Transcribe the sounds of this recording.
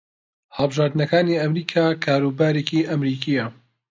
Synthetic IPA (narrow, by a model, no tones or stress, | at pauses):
hɐlˠbɨʒaːɾd̪ɨnɐkaːniːɐmɾiːkʰaːkʰaːɾuːbaːɾeːkiʔɐmɾiːkʰiːjɐ